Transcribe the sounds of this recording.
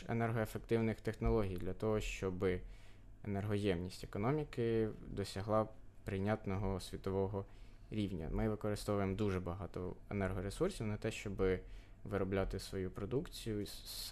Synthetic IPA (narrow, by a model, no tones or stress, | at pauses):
ḛnɛrɦɔefek̚t̪ɪwnɪxt̪exnɔlˠɔɦʲijd̪lʲɐt̪ɔɦɔʃt͡ʃɔbɪ | enerɦɔjɛmnʲisʲtʲekɔnɔmʲikɪd̪ɔsʲɐɦlˠɑpɾɪnʲat̪nɔɦɔsʲʋʲit̪ɔʋɔɦɔ | ɾʲiwnʲɐ̰mɪʋɪkɔɾɪst̪ɔʋʊjemɔd̪uʒɛbɐɦɑt̪ɔ̰ḛnɛrɦɔɾesursʲiwnɐt̪ɛʃt͡ʃɔbɪ | ʋɪɾɔblʲat̪ɪsʋɔjupɾɔd̪ukt͡sʲijʊs